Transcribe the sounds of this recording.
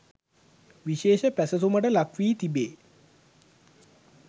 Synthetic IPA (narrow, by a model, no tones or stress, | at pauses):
ʋiɕeːʃəpæsəs̬uməʈəlakʋiːt̪ibeː